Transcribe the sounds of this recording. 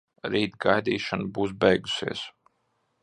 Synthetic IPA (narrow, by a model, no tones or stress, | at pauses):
ɾiːt̪ɡajd̪iːʃanbuːs̬bɛjɡusiɛs